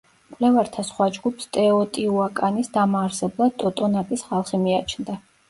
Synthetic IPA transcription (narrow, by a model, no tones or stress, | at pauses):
kʼwlɛvaɾt̪ʰasχwad͡ʒɡupst̪ʼɛɔt̪ʼiuakʼanisd̪amaːɾsɛblˠad̪̚t̪ʼɔt̪ʼɔnak̪ʼisχalˠχimiat͡ʃʰnd̪a